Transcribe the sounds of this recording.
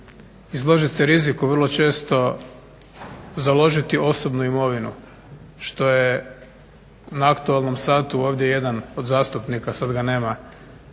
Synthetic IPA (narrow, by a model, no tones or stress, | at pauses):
izlˠo̞ʒiseɾizikuʋr̩lˠo̞t͡ʃe̞ːst̪o̞ | zalˠo̞ʒit̪iʔo̞so̞bnuimo̞ʋinṵ | ʃt̪o̞je | naakt̪ualˠno̞msaːt̪uo̞ːʋd̪je̞je̞d̪ano̞d̪zaːst̪upnikasad̪ɡane̞ːma